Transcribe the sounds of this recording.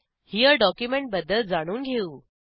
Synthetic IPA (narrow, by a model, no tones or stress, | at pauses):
hiːəɖɔkjumeɳʈ̚bəd̪ːəl̚d͡zaɽ̃uːnɡʱeuː